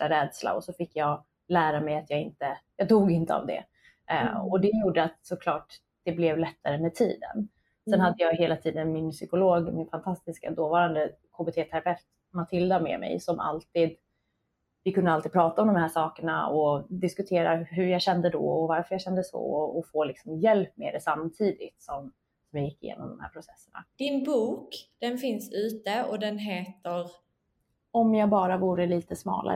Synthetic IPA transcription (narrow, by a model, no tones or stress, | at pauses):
ʈaɾɛːd̪sla̰ɔsɔfɪkːjɑː | læːɾamɛjat̪jɑːɪnt̪əjɑːt̪uːɡɪnt̪əa̰vd̪ɛ̰ | ɔd̪ɛjuːɖəat̪sɔkʰlɑːʈ | d̪̥ɛblɛvlɛt̪ʰːaɾəmɛt̪ʰḭːd̪ə̰n | sɛnhad̪ːəjɑːɡɦeːlat̪ʰiːd̪ənmɪnsʏkʊloːɡmɪnfant̪ʰast̪ɪska̰d̪oːvɑːɾand̪ə | kʰoːbeːt̪ʰeːt̪ʰæɾabɛft̪ | mat̪ʰɪld̪amɛ̰mɛ̰jsɔmʔa̰lt̪iːd̪ | vɪkʰɵnəalid̪pʰɾɑːt̪aɔmd̪ɔmhæːʂɑːkəɳa̰ɔd̪ɪskɵt̪ʰeːɾaɦɵɾjɑːɕɛnd̪əd̪ɔ̰ɔvaɾfœɾjaɕɛnd̪əsɔ̰ɔɔfoːlɪksɔmjɛlpːmḛːd̪ɛsamt̪ʰiːd̪ɪt̪sɔm | sɔmjaːjɪkːɪjḛːnɔ̰md̪ɔmhæ̰ːɾpʰɾʊsɛsːəɳa̰d̪̥ɪnbuːkd̪̥ɛnfɪnsʉ̟ːt̪əɔd̪ɛnɦeːt̪əɾ | ɔmjɑːɡbɑːɾavuːɾəliːt̪əsmɑ̰ːlʔa̰